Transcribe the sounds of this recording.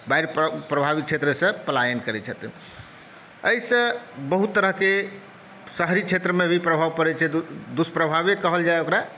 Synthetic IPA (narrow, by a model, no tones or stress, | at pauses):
baiɾppɾəbʱabik̚t͡ʃʰet̪ɾəsə̃pəlajənkəɾɛt͡ʃʰət̪ḭn | əisə̃bəɦut̪ːəɾəɦke | səɦɾit͡ʃʰet̪ɾəmebʱipɾəbʱaʋpəɾɛt͡ʃʰɛd̪uspɾəbʱabekəɦəld͡ʒaeokɾa